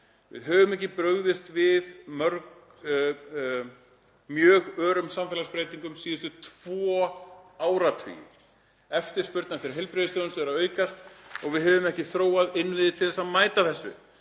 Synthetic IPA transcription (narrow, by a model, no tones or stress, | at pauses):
vɪ̰ðɦœːvʏmɛhcɪpɾœɣðɪst̪vɪðmœɾk | mjœːɣœːɾʏmsamfɛːlaspɾeːjt̪iŋkʏmsiːðʏst̪ʏt̪ʰv̥ɔaːwɾat̪ʰvḭːɪ̰ɾ̥ | ɛft̪ɪɾspʏɾt̪nafɪɾɪ̥ɦɛlpɾeðɪsʏnsɛɾaœːɥkast̪ɔɣvɪðɦɛvʏmɛhcɪθɾoːwaðɪnːvɪðɪt̪ʰɪlθɛsaðmaːjt̪aθɛsːʏ̰